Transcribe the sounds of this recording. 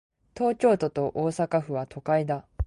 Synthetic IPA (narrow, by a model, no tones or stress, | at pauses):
t̪o̞ːt͡ɕo̞ːt̪o̞t̪o̞ʔoːsakaɸɯ̟βat̪ʰo̞kaid̪a